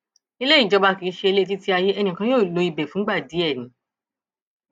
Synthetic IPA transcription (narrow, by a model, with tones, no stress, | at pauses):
i˧le˦ĩ˦˨d͡ʒɔ˨˦ba˧ki˧˦ʃe˧e˧le˦˧ti˦ti˦a˧je˦ɛ˧nĩ˧˨kã˧˦jo˦˨lo˨˦i˧bɛ˨fũ˦ɡ͡ba˦˨di˨˦ɛ˦˨nĩ˨˦